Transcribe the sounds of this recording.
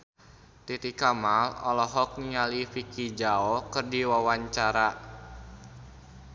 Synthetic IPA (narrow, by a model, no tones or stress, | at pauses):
t̪it̪ikamalɔ̰lɔɦɔk̚niŋalifikid͡ʒaɔkərdiwawaɲt͡ʃaɾa